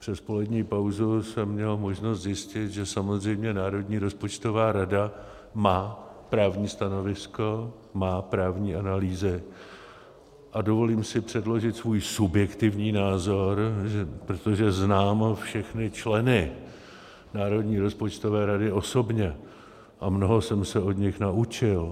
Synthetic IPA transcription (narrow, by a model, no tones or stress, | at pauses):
pr̥ɛspo̞lɛdɲiːpawzusɛmːɲɛlmo̞ʒno̞st̪zjɪscɪt̪ʒɛsamo̞zr̝ɛjmɲɛnaːɾo̞dɲiːɾo̞spo̞t͡ʃt̪o̞vaːɾada | maːpɾaːvɲiːst̪ano̞vɪsko̞ | maːpɾaːvɲiːʔanaliːzɪ | ʔado̞vo̞liːmsɪpr̝̥ɛdlo̞ʒɪt̪svuːjsubjɛkt̪ɪvɲiːnaːzo̞ɾʒɛpɾot̪oʒɛznaːmfʃɛxnɪt͡ʃlɛnɪ | naːɾo̞dɲiːɾo̞spo̞t͡ʃt̪o̞vɛːɾadɪo̞so̞bɲɛ | ʔamno̞ɦo̞sɛmsɛo̞dɲɪxnaut͡ʃɪl